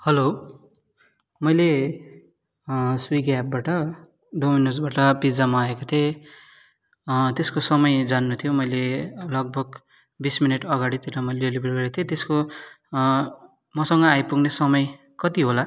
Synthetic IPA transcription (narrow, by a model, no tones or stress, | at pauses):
hʌlo | mʌjle | swiɡap̚baʈʌ | ɖominusbaʈʌbid͡zamaːekot̪ʰe | t̪eskosʌmʌjd͡zanːut̪ʰijomʌjlelʌɡ̚bʱʌɡ | bisminʌʈʌɡaɽit̪eɾʌmʌjlɖelibʱerɡʌɾet̪ʰjet̪esko | mʌsʌŋɡʌajpuɡnesʌmʌj | kʌt̪iɦola